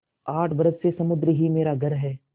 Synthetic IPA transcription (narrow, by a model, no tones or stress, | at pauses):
aːʈʰbɐɾəssesɐmʊd̪ɾəɦimeːɾaɡʱɐɾɦɛː